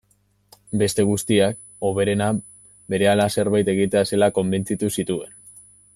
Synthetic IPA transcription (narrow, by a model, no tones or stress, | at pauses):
be̞st̪e̞ɣ̞ust̪iak | o̞β̞e̞ɾe̞na | be̞ɾe̞alase̞ɾβajt̪e̞ɣ̞it̪ease̞lako̞mbe̞nt͡sit̪usit̪ue̞n